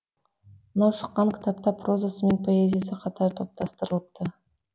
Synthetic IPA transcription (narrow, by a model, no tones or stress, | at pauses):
mənɑwʃə̥qːɑŋkʲʰɪ̥t̪ʰɑp̚t̪ɑpʰro̞zasəme̞npʰo̞ezʲijas̬əqʰɑt̪ʰɑɾt̪ʰo̞p̚t̪ɑst̪əɾəlˠəp̚t̪ʰə